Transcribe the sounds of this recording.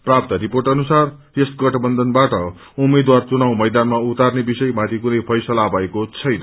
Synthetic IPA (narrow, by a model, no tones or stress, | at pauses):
prap̚t̪ʌɾiporʈʌnusar | esɡʌʈʰʌbʌnd̪ʱʌnbaʈʌ | umed̪wart͡sunawmʌjd̪anmaut̪arnebisʌjmat̪ʰikunʌjpʰʌjsʌlabaekot͡sʰʌjnʌ